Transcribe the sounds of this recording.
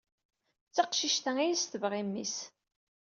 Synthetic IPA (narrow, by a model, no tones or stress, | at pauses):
t͡sːɑqʃiʃt̪æŋæjist̪əvʁimːḭs